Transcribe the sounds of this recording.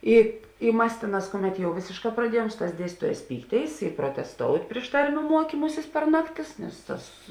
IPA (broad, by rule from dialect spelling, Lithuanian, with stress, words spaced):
ˈɪ ɪ ˈmɐs ˈtʲeːˌnɑːs ˈkʊˌmʲɛt jɛʊ ˈʋʲeːsʲeːʃˌkɑː prɐˈdʲiɛjuɔm ˈsʊ ˌtɑːs ˈdʲiɛsʲtʲiːtuɔˌjæːs ˈpʲiːkˌtʲeːɪs ɪ proːtʲɛsˈtoːʊtʲ ˈpʲrʲɪʃ tɐrʲˌmʲuː ˈmuɔkʲiːmʊsʲɪs pʲɛr ˈnɑːkˌtʲɪs ˈnʲɛs ˈtɐs